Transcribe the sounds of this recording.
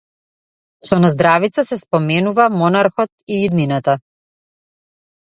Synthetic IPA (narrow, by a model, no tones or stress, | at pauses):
sɔnazd̪ɾavit̪sasɛspɔmɛnuvamɔnaɾxɔt̪iːd̪ninat̪a